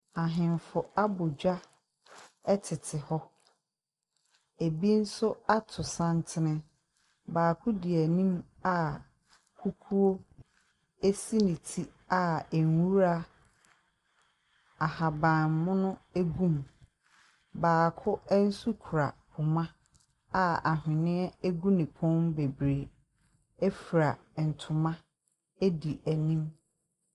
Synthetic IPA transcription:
a˨ɦɪ̃˨mfʊ˨a˦bʊ˨d͡ʑᶣa˦ | ɛ˦tʰɪ˨tʰɪ˨hɔ˦ | e˨bi˦n̩˦sʊ˦a˦tʰʊ˨sã˦n˦tʰɪ˦nɪ̃˦ | baː˨kʰʊ˦dɪ˨æ˨nĩ˦m | a˦ | kʰu˦kʰu˦o˦ | e˦si˦nĩ˨tʰi˦ | a˦æ˨ŋ˨wu˦ɾa˦ | a˨ha˨bã˨nmʊ̃˦nʊ̃˦æ˦ɡũ˦˨m | baː˨kʰʊ˦ɛ˦n̩˦su˦kʰu˨ɾa˨pʰʊ˨mã˦ | a˦a˨ɦɪ̃˨nɪ̃˦ɛ˦æ˦ɡu˦nĩ˨pʰɔ̃˦mbe˨bɾe˨ | ɛ˦fi˨ɾa˨n̩˨tʰʊ˨mã˦ | e˦di˨ʔæ˨nĩ˦m

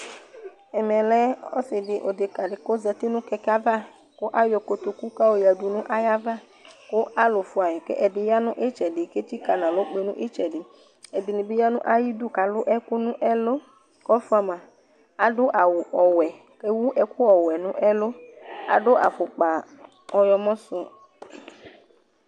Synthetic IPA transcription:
ɛ˨mɛ̃˨lɛ˦o̰˦sɪ˨ɖɪ˨ʔo˨d̪e˨ka˨ɖɪ˨ko˦zɛ˨t̪i˦nũ˦kɛ˦ka˦va˦ | ko˦ʔa˦jɔ˨ko˨t̪o˨ku˦ka˦wo˨ja˨du˨nũ˦ʔa˦ja˦va˦ | ko˦a˦lo˨fu˦a˨jɛ˨kḛ˦ʔɛ˨di˨ja˦nũ˦ʔe˦t͡ʃɛ˨ɖɪ˨ke˦t̪i˦ka˨nã˨lo˦k͡pe˨nũ˦ʔe˦t͡ʃɛ˨ɖɪ˨ | ɛ˨di˨nĩ˨bi˦ja˦nṵ̃˦ʔa˦ji˦du˦ka˨lʊ˦ʔɛ˦ku˦nũ˦ʔɛ˦lo˦ | kɔ˦fu˦a˨mã˨ | a˨dʊ˦ʔa˨wu˨ʔɔ˨wɛ˨ | ke˦wu˦ʔɛ˦ku˦ɔ˨wɛ˨nũ˦ʔɛ˦lo˦a̰˨ɖʊ˦ʔa̰˨ɸʊ˨k͡pa˨ | ɔ˨jɔ˨mɔ̃˦sʊ˦

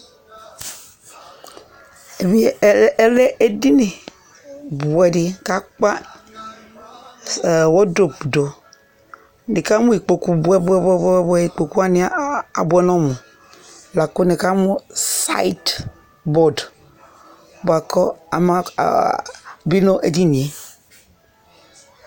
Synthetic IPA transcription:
e˨bi˦˨˦le˦ʔe˦di˦ni˨ | bu˨ɛ˨di˨ka˦k͡pa˦˨ | wɔ˦do˨pdo˨ | ni˨ka˦mu˦i˨k͡po˨ku˦bu˨˦ɛ˦bu˦ɛ˦bɛ˦bbi˨k͡po˨ku˦a˦ni˦a˦a˨bu˦ɛ˦nɔ˦mu˨ | la˨ko˦ni˨ka˦mu˦sa̰˦i˦t | bɔ˨d | bu˨a˨kɔ˦a˨ma̰˦˨ | bi˦no˦ʔe˨di˦˨ni˨e˨

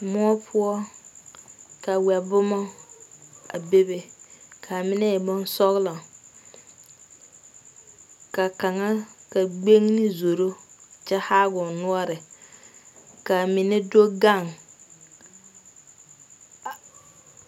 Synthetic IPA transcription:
mʊ˦ɔ˦pʰʊ˦ɔ˦ | ka˨wɛ˨bʊ˦mɔ˦ | a˨be˦be˨kʰa˨mɪ˦nɛ˦ɛ˨bɔ˦n˦sɔ˦ɣla˨ | ka˨ka˨ŋa˦ka˨ɡ͡be˦ŋnɪ˦zo˨ɾo˦t͡ʃɛ˦ha˦ɡʊ˨nʊ˦ɔ˦ɾɪ˨ | ka˨mɪ˨ne˦do˦ɡa˦˨ŋ

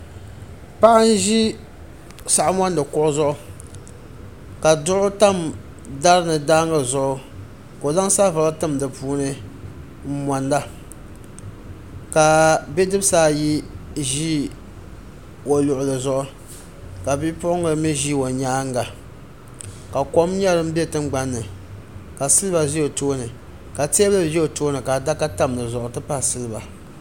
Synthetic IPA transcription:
pa˦ʔa˦n̩˦ʒi˦ | sa˨ʔa˦ma˦ndɨ˨kʊ˦ʔʊ˦zʊ˦ʔʊ˦ | ka˨dʊ˦ʔʊ˦ta˦˨m | da˦ɾɨ˦nɨ˨daː˦ŋa˨zʊ˨ʔʊ˦ | ko˨za˦ŋsa˦va˨˦la˦tɨ˦˨mdɨ˨puː˦nɨ˦ | ma˨nda˦ | ka˨be˦dɨ˦bsaː˦ji˦ʒi˦ | o˨lʊ˨ʔʊ˨lɨ˨zʊ˦ʔʊ˦ | ka˨bi˦pʊ˦ʔʊ˦ŋo˨˦mi˦ʒi˦wo˨ɲaː˦ŋ˦ɡa˨ | ka˨ko˦m˦ɲa˦ɾɨ˦m̩˦bɛ˦tɨ˦ŋ˦ɡ͡ba˦nːɨ˨ | ka˨sɨ˦lɨ˦ba˨zi˦o˨toː˦nɨ˨ | ka˨tːɨ˦˨jɛ˦o˨toː˦nɨ˨ka˨da˦ka˦ta˦m˨lɨ˨zʊ˨ʔʊ˨tɨ˦pa˦˨sɨ˦lɨ˦ba˨

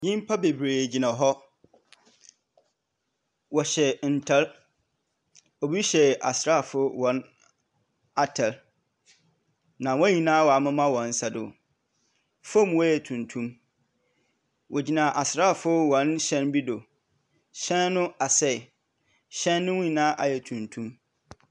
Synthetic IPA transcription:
ɲĩ˦m˦pʰa˦be˨bɾeː˨d͡ʑi˨nã˨ɦɔ˦ | wɔ˨ɕɛ˨n̩˨tʰɛ˦l | o˨bi˦ɕɛ˨ʔa̰˨sɪ˨ɾa˦˨fʊ˦wɔ̃˨n | a˦tʰɛ˨l | nã˨wɔ̃˦ɲĩ˨nãː˦wɔ˨a˨mʊ̃˦mã˦wɔ̃˨n̩˦sa˨dʊ̰˨ | fõ˦˨m˦wɔ˦jɛ˨tʰũ˨ntʰũ˦m | wʔɔ˨d͡ʑi˨nã˨ʔa˨sɪ˨ɾa˦˨fʊ˦wɔ̃˨nɕɛ̃˦nbi˦do˨ | ɕɛ̃˦nːʊ̃˦a˨sɛ˦˨ | ɕɛ̃˦nːʊ̃˦wũ˦˨nãː˦ʔa˨jɛ˨tʰũ˨ntʰũ˦m

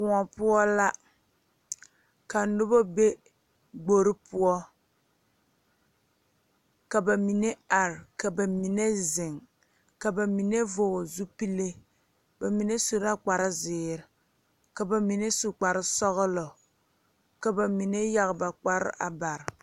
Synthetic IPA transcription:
kʊ˨ŋɔ˨pʊ˦ɔ˦la˦ | ka˨n˨nʊ˦bo˦be˦ | ɡ͡bo˦ɾɪ˦pʊ˦ɔ˦ | ka˨ba˨mi˨ne˦a˨ɾka˨ba˨mi˨ne˦zɪ˨ŋ | ka˨ba˨mi˨ne˦vʊ˨zu˦pi˦le˦ | ba˨mi˨ne˦su˨ɾa˦k͡pa˨ɾɪ˦zɪː˨ɾɪ˨˦ | ka˨ba˨mi˨ne˦su˨k͡pa˨ɾɪ˦sɔ˦ɣʊ˦lɔ˨ | ka˨ba˨mi˨ne˦ja˦ɣba˨k͡pa˦ɾɪ̰˦ʔa̰˨ba˨ɾ

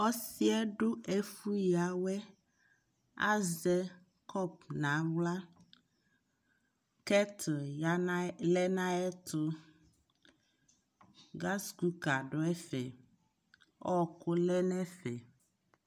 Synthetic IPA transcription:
ɔ˦si˦ɛ˦ɖo˦e˨fu˦ja˨wɛ˦ | a̰˦zɛ˦ | kʰɔ˦p̚nã˨˦wla˦ | kɛ˦t̪ʰja˨˦n˦lɛ˦nã˦ɛ˦t̪o˦ | ɡa˦sku˦ka˨ɖo˨ɛ˦fɛ̰˨ | ɔ˦ko˦lɛ˦nɛ̃˦fɛ˨

